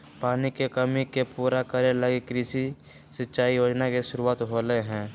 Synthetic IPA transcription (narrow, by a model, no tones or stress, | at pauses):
paːnikekəmikepuːɾakəɾjeləɡekɾiːsi | sətːʃaːijoːd͡ʒnakeʃʊɾuaːt̪ɦoləeɦɛ̃ː